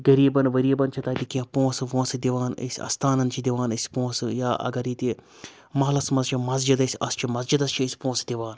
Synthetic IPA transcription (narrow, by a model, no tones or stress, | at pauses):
ɡɐɾiːbɐnʋɐɾiːbɐnt͡ʃʰɐt̪aːt̪ikiãpõːsʋõːsɨd̪iʋaːnɐ̰sʲɐ̰st̪ʰaːnɐnt͡ʃʰid̪iʋaːnɐsʲpõːsɨjaːʔɐ̰ɡɐɾit̪i | mɐɦlɐsmɐzt͡ʃʰimɐzd͡ʒid̪ɐsʲɐst͡ʃʰimɐzd͡ʒid̪ɐst͡ʃʰiisʲi̥põːsd̪ʲiʋaːn